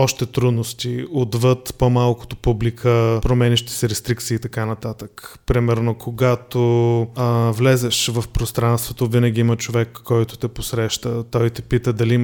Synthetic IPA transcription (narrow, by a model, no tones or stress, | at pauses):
ɔʃt̪ɛt̪ɾud̪nost̪iod̪vɤt̪pomalˠkʊ̥t̪o̥publikʰəpɾomɛniʃt̪i̥sɛɾɛst̪ɾikt̪siːt̪ɐkanɐt̪at̪əkpɾimɛɾnokʰoɡat̪o | vlɛzɛʃvɐfpɾost̪ɾanst̪vot̪ovinəɡ̟ʲiimət͡ʃovɛkʰːɔjt̪ʊ̥t̪ɛposɾɛʃt̪ət̪ɔjt̪ɛpit̪əd̪ɐliim